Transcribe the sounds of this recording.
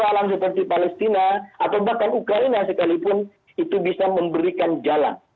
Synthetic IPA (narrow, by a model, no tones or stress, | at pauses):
alams̬əpərt̪ipalɛst̪inaat̪awbahkanukɾainasəkalipʊn | it̪ubisaməmbəɾikand͡ʒala̰n